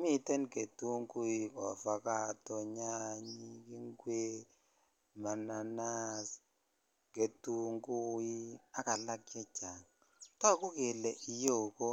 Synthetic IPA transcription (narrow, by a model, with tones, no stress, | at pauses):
mi˦tɛ˦nke˨tu˦ŋku˦i˦kɔ˨fa˨ka˦tɔ˦ɲa˦ɲi˦ki˦ŋɡwe˦ | ma˨na˨na˦s | ke˨tu˦ŋɡu˦i˦a˦ka˨la˦kjɛ˦d͡ʒa˨ŋ | tɔ˦kʊ˦ke˨lɛ˨ʔi˨jo˦˨ko˦